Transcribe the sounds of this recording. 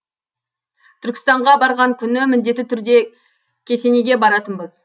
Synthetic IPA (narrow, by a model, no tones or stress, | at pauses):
t̪ʰʏɾkʲɪ̥st̪ɑɴʁɑbɑɾʁɑŋkʲʰʏnɪmɪnd̪e̞t̪ːɪt̪ʰʏɾd̪e̞ | kʲʰe̞se̞neɡʲe̞bɑɾɑt̪ənbəz